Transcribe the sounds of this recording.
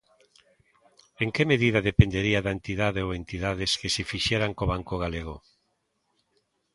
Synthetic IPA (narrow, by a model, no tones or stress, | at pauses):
eŋkemeðiðaðepend̪eɾiaðaent̪iðaðeoent̪iðaðeskesefiʃeɾaŋkoβaŋkoɣ̞aleɣ̞o̰